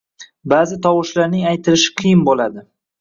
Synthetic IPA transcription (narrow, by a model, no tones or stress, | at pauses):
baːzɪt̪ʰɒwɒʃlaɾnɪŋajt̪ʰɪlɪʃɪ̥qʰɨjɪnbolad̪ɪ